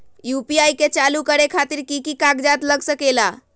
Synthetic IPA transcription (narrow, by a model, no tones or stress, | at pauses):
jupiajket͡ʃalukəɾekʰat̪iɾkikikakd͡ʒat̪ləɡsəkela